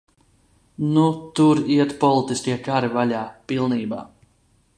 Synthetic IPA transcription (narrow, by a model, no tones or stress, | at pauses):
nut̪uɾiɛt̪pɔlˠit̪iskʲiɛkaɾivaʎʲaːpilˠniːba̰ː